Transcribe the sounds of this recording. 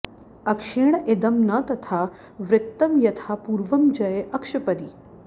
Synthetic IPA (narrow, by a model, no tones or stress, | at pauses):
ɐkʃeːɳʔed̪ɐmnɐt̪ɐt̪ʰaː | ʋɾɪt̪ːɐmjɐt̪ʰaːpuːɾʋɐmd͡ʒɐjeʔɐkʃɐpɐɾi